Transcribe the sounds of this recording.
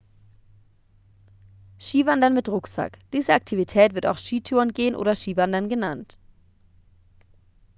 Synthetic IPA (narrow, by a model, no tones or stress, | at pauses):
ʃiːvandɐnmɪtʁʊkz̥a̰kd̥iːzəʔak̚tʰivitʰɛːtv̥ɪɐta̰ʊxʃiːtʰyːʁənɡeːənʔo̰ːdɐʃiːvandɐnɡənant